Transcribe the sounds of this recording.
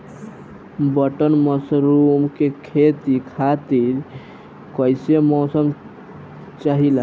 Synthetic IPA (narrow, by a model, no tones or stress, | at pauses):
bəʈənməsɾumkekʰet̪ikʰat̪iɾ | kəjsemɔsəm | t͡ʃaɦila